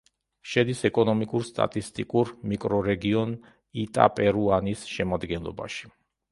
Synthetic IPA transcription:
ʃɛd̪isɛkʼɔnɔmikʼuɾst̪ʼa̰t̪ʼist̪ʼikʼuɾmikʼɾɔɾɛɡiɔn | it̪ʼa̰pʼɛɾuanisʃɛmad̪ɡɛnlˠɔ̰ba̰ʃi̥

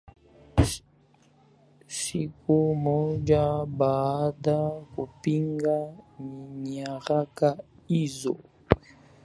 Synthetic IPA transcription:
sikumɔd͡ʒabadakupiŋɡaɲiɲaɾakaizɔ̰

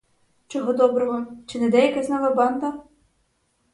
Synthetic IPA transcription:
t͡ʃɔɦɔd̪ɔbɾɔɦɔt͡ʃɪnɛd̪ɛjɐkɛznɔʋɐbɑnd̪ɐ

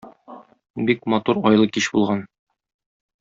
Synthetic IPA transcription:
bikmɒt̪uɾɒjlˠɤkiɕbulˠʁɑn

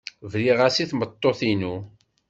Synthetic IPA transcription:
vɾiʁasiθmət̪ˤːoθinu

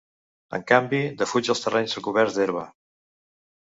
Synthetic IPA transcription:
ə̰ŋkambid̪əfud͡ʒəlˠst̪ərɛɲzðəlˠɣuβɛɾd̪eɾβə

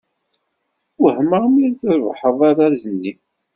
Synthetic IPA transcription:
əhmamiɾθəɾvħəðˤɑɾæzənːi

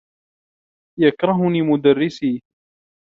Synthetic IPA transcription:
jakɾˤɑɦʊniːmʊd̪arːɪsiː

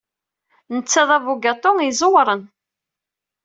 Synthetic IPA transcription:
nət͡sːæðˤævuɡat̪ˤoŋizˤowɾˤən

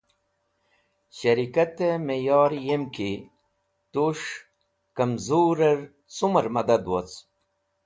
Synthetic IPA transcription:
ɕɐɾikɐt̪emejɑːɾjemki | t̪uʂ | kɐmzuːɾɐɾ | suməɾmɐd̪ɐd̪wot͡s

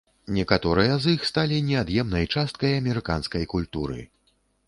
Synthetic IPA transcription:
nʲɛkat̪ɔɾɨjɐzixst̪alʲinʲɛad̪jɛmnɐjt͡ʂast̪̚kɐjɐmʲɛɾɨka̰nskɐjkulʲt̪uɾɨ̰

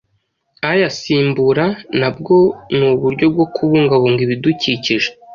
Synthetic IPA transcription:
ajasiːmbuɾanab̚ɡo̞nuːβuɾɟo̞b̚ɡo̞kʰuβuːŋɡaβoŋɡiβiduciːciʒe

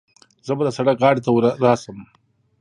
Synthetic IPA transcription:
z̥əbad̪əsaɽakʁɑːɽit̪awɾɾɑsəm

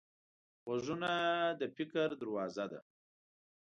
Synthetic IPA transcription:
wazunad̪əfɪkəɾd̪aɾwɑːzad̪a̰

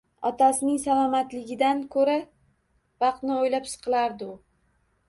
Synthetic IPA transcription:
ɒ̰t̪ʰasɪnɪŋsalˠɒmat̪lɪɡʲɪd̪ankʰɵɾa | vɑqt̪nɪojlapsɨ̥qʰɨlˠaɾd̪ɪʊ

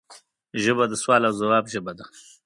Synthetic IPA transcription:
ʒəbad̪əswɑːlawzawɑːbʒəbad̪a

